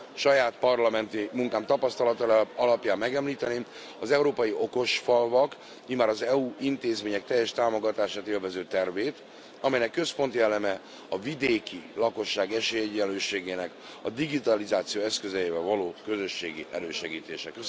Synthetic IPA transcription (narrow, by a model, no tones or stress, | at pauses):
ʃɒjaːt̪pɒrlɒmɛnt̪imuŋkaːmt̪ɒpɒst̪ɒlɒt̪ɒɒlɒpjaːmːɛɡɛmliːt̪ɛneːm | ɒzɛuɾoːpɒjiʔo̞ko̞ʃfɒlvɒk | mimaːɾɒzɛuint̪eːzmeːɲɛk̚t̪ɛjːɛʃt̪aːmo̞ɡɒt̪aːʃaːt̪eːlvɛzøːt̪ɛrveːt̪ | ɒmɛjnɛkːø̞spo̞nt̪iɛlːɛmɛ | ɒvid̪eːkilɒko̞ʃːaːɡɛʃeːjɛɟːɛløːʃeːɡeːnɛk | ɒ̰d̪iɡit̪ɒlizaːt̪sijoːɛskø̞zɛjeːvɛlvɒloːkø̞zø̞ʃːḛːɡiʔɛ̰ɾøːʃɛɡiːt̪eːʃɛkø